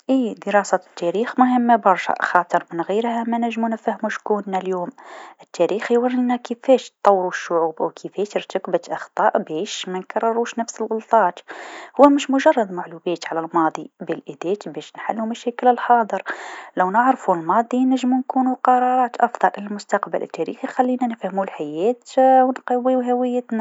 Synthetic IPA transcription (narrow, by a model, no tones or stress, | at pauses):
ʔid̪əɾˤɑsæt̪ːæɾiːxmʊɦəmːabɑɾˤʃɑ̰ʔxɑːt̪ˤəɾmənɣiɾhæmænæʒːmunfæhmuʃkunːæljoːmʔət̪ːæɾiːxiwɑɾənːækəfæʃt̪ˤːɑwːɾuʃːʊʕuːbwkʰəfæt̪əɾt̪əkbət̪ʔɑxt̪ˤɑʔbɛʃmænkɑrˤːɑɾuʃnəfsəlɣʊlt̪ˤɑːt̪hʊwːæmɪʃmʊʒɑrˤːɑd̪ˤmaʕlubæt̪ʕalælmɑːd̪ˤibəlʔəd̪æt̪bɛʃnħa̰lːumæʃɛːkələlħɑːd̪ˤəɾlæwnəʕɾfulmɑːd̪ˤinəʒːmunkunuqɑɾˤɑɾˤɑːt̪ʔɑfd̪ˤɑlʔəlælmʊst̪ɑqbə̰lʔə̰t̪ːæɾḭːxixælːinænəfhəmulħajæːt̪wnqɑwːiwɦæwəjːət̪næ